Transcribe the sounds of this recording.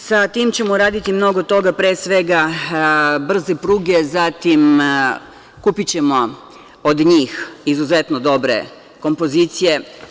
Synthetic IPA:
sat̪iːmt͡ɕe̞moɾaːd̪it̪imno̞ɡot̪o̞ɡapɾesʋe̞ɡa | br̩zepɾuːɡezat̪im | kupit͡ɕe̞mo̞ | od̪ɲiːxizuze̞t̪nod̪o̞bɾe̞̰ | ko̞mpo̞ziːt̪sije̞

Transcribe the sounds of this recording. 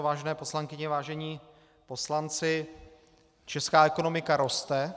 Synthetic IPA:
vaːʒɛnɛːpo̞slaŋkɪɲɛvaːʒɛɲiː | po̞slant͡sɪ | t͡ʃɛskaːɛko̞no̞mɪkaɾo̞st̪ɛ

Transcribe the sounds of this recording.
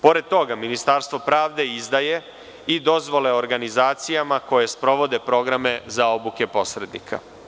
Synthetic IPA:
po̞ɾed̪̚t̪o̞ɡaminist̪aɾst̪vʋo̞pɾaːʋd̪e̞izd̪aje̞ | id̪o̞zʋo̞le̞oɾɡanizaːt̪sijamako̞je̞spɾo̞ʋo̞d̪e̞pɾo̞ɡɾame̞zao̞buke̞po̞sɾe̞d̪nḭkʰa̰

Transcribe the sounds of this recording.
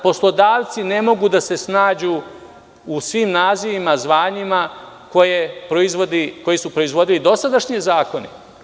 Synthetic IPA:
po̞slˠo̞d̪aːʋt̪sine̞mo̞ɡud̪ase̞snaːd͡ʑuː | usʋiːmnaːziʋimazʋaːɲima | ko̞jepɾoizʋod̪iko̞jesupɾo̞izʋo̞d̪ilid̪o̞sad̪aʃɲezaːko̞ne

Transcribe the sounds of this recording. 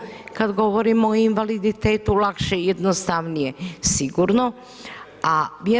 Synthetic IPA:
kad̪ɡo̞ʋoɾimoinʋalid̪it̪eːt̪ulˠakʃejed̪nost̪aʋnijesiɡuɾno | aʋje

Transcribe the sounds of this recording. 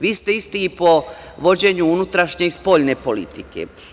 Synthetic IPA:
ʋiːst̪e̞ist̪iipo̞ | ʋo̞d͡ʑe̞ɲuunut̪ɾaʃɲe̞ispo̞ʎne̞po̞lḭt̪ikḛ

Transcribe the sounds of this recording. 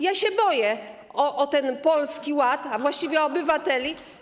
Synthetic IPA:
jaɕɛbɔjɛ | ɔʔɔt̪ɛnpɔlskʲiwat̪avwaɕt͡ɕivʲjɛɔːbɘvat̪ɛlʲi

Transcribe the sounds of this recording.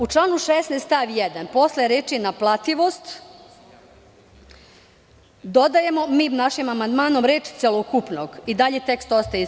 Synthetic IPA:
ut͡ʃlˠaːnuʃesnest̪aʋjed̪anpo̞sleɾeːt͡ʃijenaplˠat̪iʋost̪ | d̪o̞d̪aje̞momiːnaʃimamand̪maːno̞mɾeːt͡ʃt̪selˠokupnoɡid̪aʎet̪e̞kst̪ost̪aji

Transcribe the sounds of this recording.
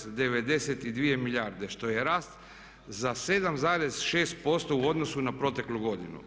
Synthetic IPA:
d̪e̞ʋe̞d̪e̞set̪id̪ʋije̞miʎjaɾd̪e̞ʃt̪o̞je̞ɾaːst̪ | zase̞d̪amzaːɾe̞zʃe̞ːst̪̚po̞st̪o̞uo̞d̪no̞sunapɾo̞t̪e̞klˠuɡo̞d̪inṵ

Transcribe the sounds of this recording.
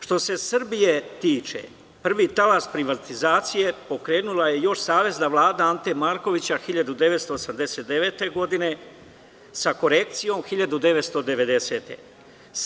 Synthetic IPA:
ʃt̪o̞se̞sr̩bije̞t̪iːt͡ʃe̞̰ | pr̩ʋit̪alaspɾiʋat̪izaːt̪sije̞po̞kɾe̞ːnulaje̞jo̞ʃsaːʋe̞znaʋlˠaːd̪aant̪e̞maːɾko̞ʋit͡ɕaxiʎad̪ud̪e̞ʋe̞t̪st̪o̞ːsamd̪e̞se̞t̪̚d̪eʋe̞t̪e̞ɡo̞d̪ine̞ | sako̞ɾe̞k̚t̪sijo̞mxiʎad̪ud̪e̞ʋet̪st̪o̞d̪e̞ʋe̞d̪e̞se̞ːt̪e̞̰

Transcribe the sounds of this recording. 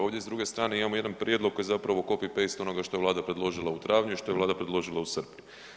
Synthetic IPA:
o̞ːʋd̪ʲjezd̪ɾuɡe̞st̪ɾaːne̞imamo̞je̞d̪anpɾʲjed̪lˠokːojzapɾaʋo̞ko̞pipe̞jst̪o̞no̞ɡaʃt̪o̞jʋlaːd̪apɾe̞d̪lˠo̞ʒilˠaut̪ɾaːʋɲuiʃt̪o̞jelaːd̪apɾe̞d̪lo̞ʒilˠausr̩pɲu

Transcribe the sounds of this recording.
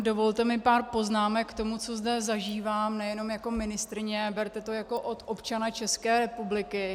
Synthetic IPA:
do̞vo̞lt̪ɛmɪpaːrpo̞znaːmɛkːt̪o̞mut͡so̞zdɛzaʒiːvaːmnɛjɛno̞mjako̞mɪnɪst̪ɾɪɲɛbɛɾt̪ɛt̪o̞jako̞ʔot̪ʔo̞pt͡ʃanat͡ʃɛskɛːɾɛpublɪkɪ

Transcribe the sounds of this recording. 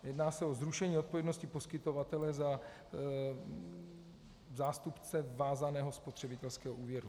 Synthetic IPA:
jɛdnaːsɛo̞zɾuʃɛɲiːo̞t̪̚povjɛdnoscɪpo̞skɪt̪o̞vat̪ɛlɛza | zaːst̪upt͡sɛvaːzanɛːɦo̞spot̪r̥ɛbɪt̪ɛlskɛːɦoʔuːvjɛɾu

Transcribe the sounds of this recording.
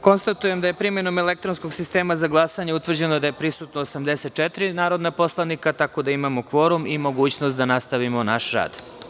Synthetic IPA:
ko̞nst̪at̪uje̞md̪aje̞pɾime̞no̞mele̞k̚t̪ɾo̞nsko̞ɡsist̪e̞ːmazaɡlˠasaɲeut̪ʋr̩d͡ʑe̞nod̪ajepɾisut̪noːsamd̪eset̪̚t͡ʃet̪ɾinaːɾo̞d̪napo̞slˠanikat̪ako̞d̪aimamo̞kʋo̞ɾumimo̞ɡuːt͡ɕnost̪d̪anast̪aʋimo̞naʃɾa̰ːd̪

